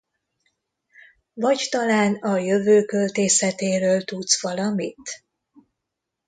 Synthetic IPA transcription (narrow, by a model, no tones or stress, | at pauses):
vɒɟt̪ɒlaːnɒjø̞vøːkø̞lt̪eːsɛt̪eːɾøːlt̪ut̪sʋɒlɒmit̪